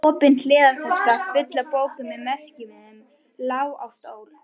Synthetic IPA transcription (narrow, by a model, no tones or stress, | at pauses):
ɔːpɪnt̪lɪːðaɾt̪ʰaskafʏt̪lapoːwkʏmɪðmɛr̥scɪmɪðɪm | laːwa̰wht̪oːwlʏ